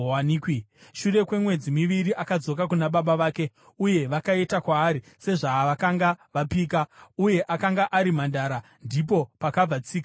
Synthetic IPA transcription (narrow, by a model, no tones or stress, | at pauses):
waniːkiʃure̞kwe̞mwe̞d͡zimiʋiɾiʔakad͡zo̞k̬ak̬unaɓaɓaʋaːke̞ | uje̞ʋakaitakwaːɾi | se̞ʐaːʋakaŋɡaʋapiːkauje̞ʔakaŋɡaʔaɾim̤andaːɾa | ndip̬o̞pakab͡vat͡siːka